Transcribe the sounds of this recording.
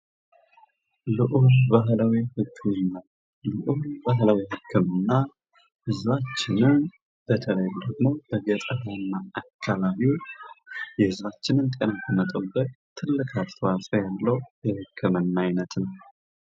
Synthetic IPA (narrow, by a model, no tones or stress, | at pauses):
lɨʔubaɦlawihɨkʰːɨmɨnːaw | lɨʔubaɦlawiɦɨkʰːɨmɨnːa | hɨzbat͡ʃːɪnɨn | b̥ət̪ʰələjud̪əɡmo̞b̥əɡət̪ʼəɦanːaakʰːaβaβiu | jɛhɨzbat͡ʃːɪnɨnt̪ʼenak̪ʰəmət̪ʼəbːət̪t̪ʰɨlːɨkʰat̪ʰəwasʼəjalːəwjɛhɨkʰːɨmɨnːaajnət̪nəw